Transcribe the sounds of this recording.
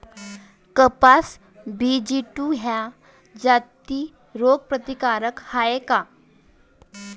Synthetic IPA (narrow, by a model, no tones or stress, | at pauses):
kəpas | bid͡ʑiʈuɦa | d͡ʑat̪i | ɾoɡ̚pɾət̪ikaɾəkhaeka